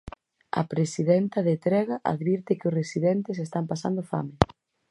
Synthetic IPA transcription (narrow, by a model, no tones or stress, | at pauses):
ɐ̰pɾesiðɛnt̪ɐðet̪ɾɛɣɐʔa̰ðβiɾt̪ɪkɪʊsresiðɛnt̪ɪs̬est̪ampasand̪ʊfa̰mɪ